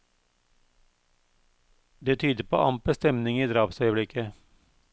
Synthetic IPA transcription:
d̪eːt̪ʰyːd̪əpʰo̰ːʔɑmpəst̪ɛmnɪŋiːd̪ɾɑːpsœʏəblɪkə

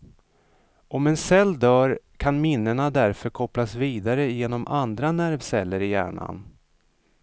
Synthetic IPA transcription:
ʔɔmɛnsɛlːd̪œːɾ | kʰanmɪnːəɳad̪æɾfœɾkʰɔplasviːd̪aɾəjeːnɔmʔand̪ɾanæɾvsɛlːəɾɪjæ̰ːɳa̰n

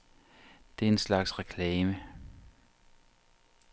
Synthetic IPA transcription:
d̥e̝æenslɑ̈ɡ̥sʁɛkʰlɛːmə

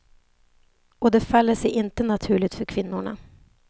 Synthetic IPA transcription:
ɔd̪ɛfalːəʂɛjʔɪnt̪ənat̪ʰʉ̟ːɭɪɡ̚t̪fœɾkʰvɪnːʊɳa̰

